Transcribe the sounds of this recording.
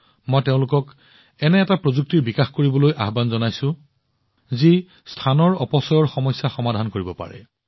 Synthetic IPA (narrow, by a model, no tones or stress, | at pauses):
mɔjteʊ̃lʊkɔk | ɛnɛːtapɹozuk̚tiɹbikaxkoɹibɔlojʔa̰ɦbanzɔnajsʊ̃ | zi | stʰanɔɹɔpɔsɔjɔɹxɔmɔsːaxɔmadʱankoɹibɔpa̰ɹɛ̰